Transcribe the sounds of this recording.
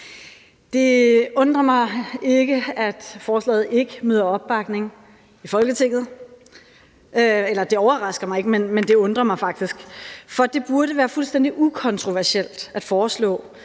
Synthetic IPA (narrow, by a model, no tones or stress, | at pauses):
d̥e̝ɔ̽nd̥ʁɐmɑ̈ɪe̝ɡ̥əæd̥fɒːslɛ̰ːð̩ˠe̝ɡ̥əmøðˠɐɒ̽b̥̚ːɑ̈ɡ̥ne̝ŋ | ifɒ̽lɡ̥ət͡sʰe̝ŋ̰ð̩ˠ | elɐd̥e̝ɒʊɐʁɑ̈sɡ̥ɐmɑ̈ɪe̝ɡ̥əmenmend̥e̝ɔ̽nd̥ʁɐmɑ̈ɪfɑ̈ɡ̥̚d̥isɡ̥fɒd̥e̝b̥uɐɾəʋæːɐfulsd̥en̰d̥iʔukʰɒ̽nt͡sʰʁo̝ʋæɐsel̰d̥æd̥fɒːslɔ̰̽ː